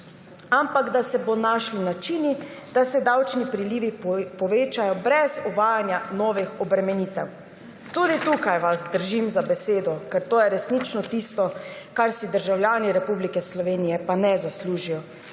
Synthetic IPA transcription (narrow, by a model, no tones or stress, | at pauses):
ampaɡd̪asɛbonaʃlinat͡ʃinid̪̥asɛd̪awt͡ʃnipɾiliːʋipɔʋeːt͡ʃajɔbɾɛzɔʋaːjanjanɔːʋixɔbɾɛmɛniːt̪ɛw | t̪ud̪it̪ukajʋazd̪əɾʒimzabɛseːd̪ɔkɛɾt̪oːjɛɾɛsnit͡ʃnɔt̪ist̪ɔkaɾsid̪əɾʒawljaːniɾɛpublikɛslɔʋeːnijɛpanɛzasluːʒijɔ